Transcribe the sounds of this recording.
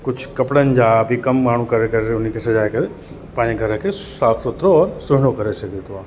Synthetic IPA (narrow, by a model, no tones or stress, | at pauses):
kʊd͡ʒʱʰkɐpɽənd͡ʒapikɐmmaːɳ̤ũkəɾekəɾeɾeʊnikʰesɐd͡ʒaːjkəɾe | pãːnẽɡʱəɾə̃kʰe | saːfʰsʊt̪ɾoɔːɾsʊɦnokəɾeʃəket̪oã